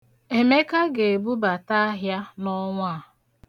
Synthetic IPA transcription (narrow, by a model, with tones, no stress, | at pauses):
e˨me˦ka˦ɡe˨bu˦ba˨ta˦ɦja˦nɔ˦ŋʷa˦˨